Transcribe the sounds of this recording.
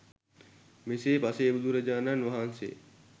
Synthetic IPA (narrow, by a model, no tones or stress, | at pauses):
meseːpaseːbud̪ʱuɾɐd͡ʒaːnanʋɐɦansḛː